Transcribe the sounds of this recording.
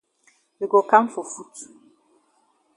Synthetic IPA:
we˨ɡo˨kã˦mfɔ˨fu˦t

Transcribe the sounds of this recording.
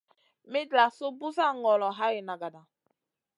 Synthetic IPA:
mi˦dla˨so˦bu˦za˦ŋɔ˨lɔ˨ɦa˦ɣe˨na˨ɡa˨da˨

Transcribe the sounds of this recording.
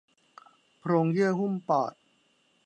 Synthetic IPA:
pʰɾoː˧ŋji˥˩əɦu˥˩mpaː˨˩t̪̚

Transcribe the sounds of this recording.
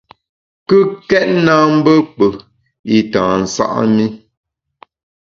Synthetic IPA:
kɨ˦kɛ˦t̚na˦m̩˦bə˦k͡pə˨ | i˨tã̰ː˨n̩˨sa̰˦ʔmi˦

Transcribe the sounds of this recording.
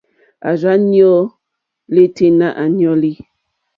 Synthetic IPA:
a̰˨za˦njɔ˦ | le˦te˦na˦ʔa˨njɔ˦li˦

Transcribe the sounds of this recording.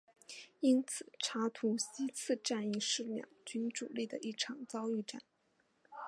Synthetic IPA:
i˥nt͡sʰɹ̩˨˩ʈ͡ʂʰa˧˥t̪ʰu˧˥ɕi˥t͡sʰɹ̩˥˧ʈ͡ʂa˥˩ni˥˩ʂɻ̩˥˩ljɑ̰˥˩ŋt͡ɕy˥nʈ͡ʂu˨˩li˥˩d̪ə̰˩ʔi˥˩ʈ͡ʂʰɑ˨˩ŋt͡sɑ˥ʊy˥˧ʈ͡ʂa̰˥˩n

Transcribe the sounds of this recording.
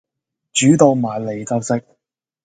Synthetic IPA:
t͡ʃyː˨˥t̪o˧wmaː˨˩jle˨˩jkɐ˧wsɪ˥k̚

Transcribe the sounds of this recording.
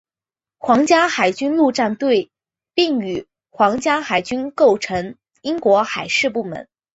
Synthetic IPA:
xwɑ˧˥ŋt͡ɕja˥xa˨˩ɪt͡ɕy˥nlu˥˧ʈ͡ʂa˥˧nt̪we˥˧ɪ | pi˥˩ŋy˨˩ | xwɑ˧˥ŋt͡ɕja˥xa˨˩ɪt͡ɕy˥nko˥˩ʊʈ͡ʂʰɤ˧˥ŋ | i˥ŋkwɔ˧˥xa˨˩ɪʂɻ̩˥˧p̬u˥˩mə̰˧˥n

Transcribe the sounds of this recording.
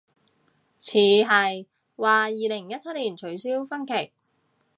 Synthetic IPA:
t͡sʰiː˨˥ɦɐ˨j | waː˨jiː˨lɪ˨˩ŋjɐ˥t̚t͡sʰɐ˥t̚liː˨˩nt͡ʃʰɵ˨˧˥ɥsiː˥wfɐ˥nkʰɪ˨˩k̚

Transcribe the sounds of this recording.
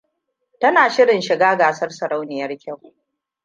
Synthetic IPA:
tɐ˦naː˨ʃɪ˦ɽɪ˨nʃɪ˨ɡaː˦ɡaː˨sɐ˦rsɐ˨ɾa˦wnɪ˨jɐ˦rkʲa˦˨w

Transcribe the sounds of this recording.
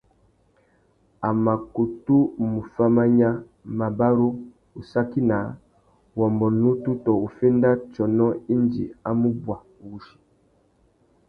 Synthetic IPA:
a˨ma˨ku˨tu˦mu˨fa˦ma˦ɲa˦ | ma˨ba˦ɾo˦ | u˨sa˦ki˦na˨˦ | wɔ˨mbɔ˨nu˦tu˦tɔ˨u˨fe˦nda˦t͡ʃɔ˨nɔ˦i˦nd͡ʒḭ˨a˦mu˦bwa˨wu˨ʃi̥˨

